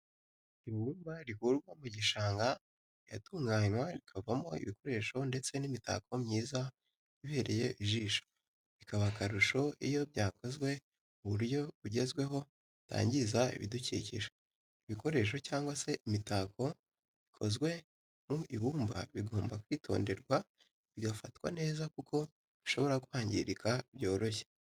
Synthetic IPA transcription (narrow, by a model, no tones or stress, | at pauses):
iβuːmbaɾihuɾɡwamuɟiʃaːŋɡa | ja̰tuːŋɡaːɲwaɾikʰavamo̞ḭβiko̞ɾe̞ʃo̞nde̞t͡se̞nimita̰kʰo̞mɲiːza | βiβe̞ɾe̞je̞ʔiʒiːʃo̥ | βikaβakaɾuʃo̞ʔijo̞bjaːkʰo̞zɡwe̞ | uβuɾjo̞ɾuɟe̞zɡwe̞ɦo̞ | ta̰ːɲɟizaḭβḭducḭcḭʃa | iβiko̞ɾe̞ʃ̬o̞caːŋɡwase̞ʔimitako̞ | βikʰo̞zɡwe̞ | muʔiβuːmba̰βiɡo̞ːmbakwiːtʰo̞̰ːnde̞ɾɡwa | βjofatwa̰ne̞ːzakukʰo̞ | βiʃo̞βo̞ɾakuhaːɲɟḭɾikʰaiβjo̞ːɾo̞çe̥